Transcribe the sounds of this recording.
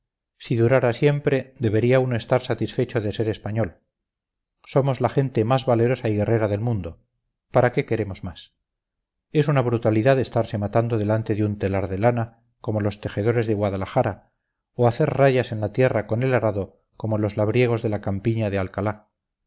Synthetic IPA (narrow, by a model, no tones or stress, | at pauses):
siðuɾaɾasje̞mpɾe̞ðe̞βe̞ɾiauno̞e̞st̪aɾsat̪isfe̞t͡ʃo̞ðe̞se̞ɾe̞spaɲo̞l | so̞mo̞zlaxe̞nt̪e̞mazβale̞ɾo̞saiɣe̞re̞ɾaðe̞lmũnd̪o | paɾake̞ke̞ɾe̞mo̞zmas | e̞sunaβ̞ɾut̪aliðaðe̞st̪aɾse̞mat̪and̪oðe̞lant̪e̞ðunt̪e̞laɾðe̞lana | ko̞molo̞st̪e̞xeð̞o̞ɾe̞zðe̞ɣwaðalaxaɾa | oaθe̞ɾraʝase̞nlat̪je̞rako̞ne̞laɾaðo̞ | ko̞molo̞zlaβɾje̞ɣ̞o̞zðe̞lakampiɲaðealkala